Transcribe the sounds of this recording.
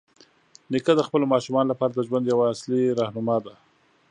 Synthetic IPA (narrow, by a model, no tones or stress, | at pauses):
nɪkad̪əxpəlomɑʃumɑnolapɑɾad̪əʒwand̪jawaːsliɾɑhnʊmad̪a